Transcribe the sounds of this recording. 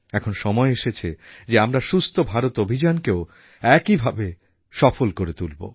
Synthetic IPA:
ɛkʰonʃɔmɔeeʃet͡ɕʰed͡ʑeamɾaʃust̪ʰobʱaɾot̪obʱid͡ʑankeo | ɛkibʱabe | ʃɔfolkoɾet̪ulbo̰

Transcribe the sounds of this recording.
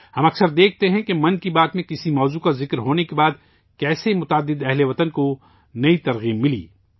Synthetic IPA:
hɐmɐksəɾd̪eːk̚ʰt̪eɦɛ̃kemɐ̃nkibaːt̪mẽkɪsimɔːzukazɪkɾɦoːnekebaːd̪̚ | kɛːsemʊt̪aːd̪ːɪd̪ɛɦleʋɐt̪ənko | nɐit̪ɐɾɣiːbːɪlḭː

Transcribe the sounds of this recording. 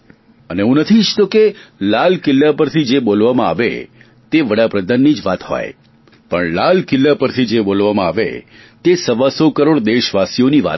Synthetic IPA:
əneɦũnət̪ʰit͡ʃt̪okelalkɪlːapəɾt̪ʰid͡ʒebolʋamãa̰ʋḛ | t̪eʋəɽapɾəd̪ʱanːid͡ʒʋat̪ɦo̰j | pəɳlalkɪlːapəɾt̪ʰid͡ʒebolʋamãaʋḛ | t̪esəʋasokəɾoɽd̪eʃʋasijoniʋa̰t̪

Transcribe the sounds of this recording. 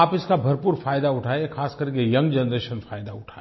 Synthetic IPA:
aːpɪskabʱɐɾpuːɾfaːjd̪aʊʈʰaːeexaːskɐɾkejɐ̃ŋɡd͡ʒənɾeːʃənfaːjd̪aʊʈʰaː

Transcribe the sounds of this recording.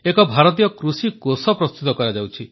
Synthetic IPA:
ekɔbʱaɾɔt̪̬ijɔkɾusikosɔpɾɔst̪ut̪ɔkɔɾad͡ʒawt͡ʃʰi

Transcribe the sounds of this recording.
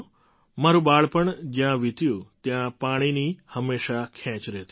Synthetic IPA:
maɾũbaɭpəɳd͡ʒjãʋit̪jũt̪jãpaɽ̃inihəmːeʃakʰɛ̃t͡ʃɾɛt̪i

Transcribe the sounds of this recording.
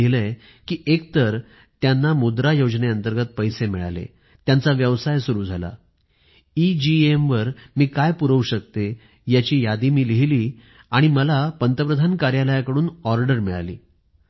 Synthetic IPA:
ɦle | kiːʔekt̪əɾ | t̪janːamud̪ɾajod͡ʑneənt̪əɾɡət̪̚pəjsemiɭa̰lḛ | t̪jant͡saʋjəʋsajsuɾuːd͡zʱala̰ | id͡ʑiemʋəɾmiːkajpuɾəuɕək̚t̪e | jat͡ɕiːjad̪iːmiːliɦliː | aɽ̃iməlapənt̪əpɾəd̪ʱankaɾjaləjakəɽuːnɔɾɖəɾmiɭa̰lḭː

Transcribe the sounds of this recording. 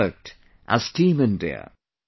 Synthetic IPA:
ək̚t | ʔə̰z̥tʰĩːmɨ̃ndḭə̰

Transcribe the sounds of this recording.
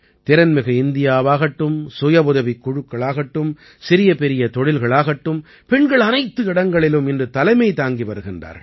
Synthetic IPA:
t̪ɪɾɐnmɪɣɐɪnd̪ɪjaːʋaːɣɐʈːɯmsʊjɐpʊðɐʋɪkːʊɻʊkːɐɭaːɣɐʈːɯm | sɪɾɪjɐpɛɾɪjɐt̪ɔɽɪlɣɐɭaːɣɐʈːɯm | pɛɳɡɐɭɐnɐɪt̪ːɯɪɽɐŋɡɐɭɪlɯmɪndrɯt̪ɐlɐɪmɐɪt̪aːŋɡiʋɐɾɯɣɪndra̰ːɾ

